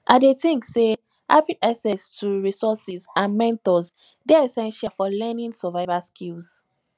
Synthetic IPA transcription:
ʔadetĩŋkse | ha̰vĩŋʔaksɛstʰuɹisɔsizãnmɛ̃ntɔz | deɛsɛ̃nʃafɔlɛnĩnsɛvaɪvaskʰils

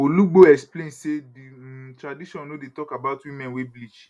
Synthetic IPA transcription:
oluɡ͡boɛksplẽnseditɾadiʃɔ̃nodetɔkabaʊtwimɛ̃nweblid͡ʒ

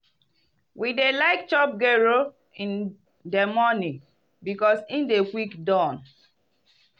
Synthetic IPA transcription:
widelaɪk̚t͡ʃɔp̚ɡɛɹo | ĩn | demɔnĩ | bikɔsĩndekwikdɔ̃n

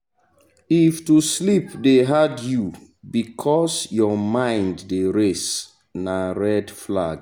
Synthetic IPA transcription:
iftuslipdeɦadju | bikʰɔsjɔmãɪ̃ndːeɹes | naɹɛdflaɡ

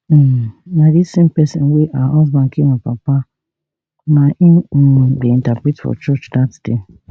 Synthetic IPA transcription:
nadisẽmpɛsɔ̃nweʔahɔzbãn̩kiwãpapa | nãʔĩdeĩntapɾitfɔ̰t͡ʃɔt͡ʃdatd̥e

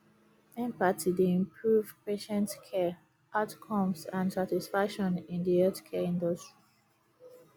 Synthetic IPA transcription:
ɛ̃mpatʰideĩmpʰɹuv̥peʃɛ̃ntkʰɛ | ʔaʊtkʰɔ̃msãndsatisfakʃɔ̃nĩndiɛtkʰɛĩndɔstɹ̥i

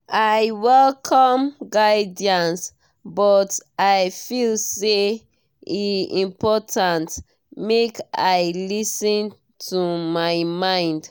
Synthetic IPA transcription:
ajwɛlkʰɔmɡaɪdiãns | bɔtaɪfilse | iĩmpɔtʰãnt | mekaɪlisɔ̃n | tʰumaɪmãɪ̃nd

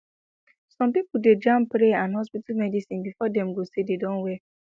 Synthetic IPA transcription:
sɔ̃mpipʊded͡ʒãmpɾeãnɦɔs̬pitalmɛdisĩnbifɔdɛ̃mɡosededɔ̃nwɛ

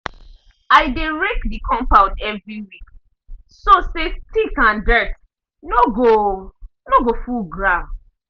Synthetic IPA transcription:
aɪdeɹekdikʰɔ̃mpaʊtɛvɹiwik | sosestikãndɛt | noɡo | noɡofuɡɹa

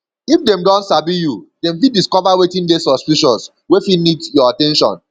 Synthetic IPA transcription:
ifdɛ̃mdɔ̃ntsabijudemfidiskɔvawetĩndesɔspiʃɔs | wefinidjɔatɛ̃nʃɔ̰̃n

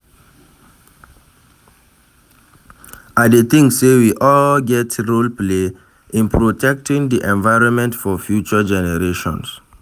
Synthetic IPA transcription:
adeθĩŋsewiʔɔlɡɛtɹolple | ʔĩnpɹotʰɛk̚tĩŋdiʔɛ̃nvaɪɹɔ̃nmɛ̃ntfɔfjut͡ʃəd͡ʒɛnɛɹeʃɔ̰̃ns

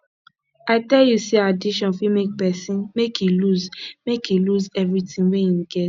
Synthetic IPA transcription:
aɪtɛljusiadiʃɔ̃nfimek̚pɛsĩnmekʰjiluzmekiluzɛvɹitĩnwɛ̃ĩmɡɛt

